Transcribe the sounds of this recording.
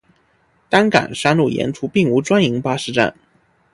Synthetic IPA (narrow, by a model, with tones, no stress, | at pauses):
t̪a˥nka̰˨˩nʂa˥nlu˥˩jɛ̰˧˥nʈ͡ʂʰu˥pi˥˩ŋu˧˥ʈ͡ʂwa˥ni˧˥ŋpa˥ʂɻ̩˥˧ʈ͡ʂa̰˥˩n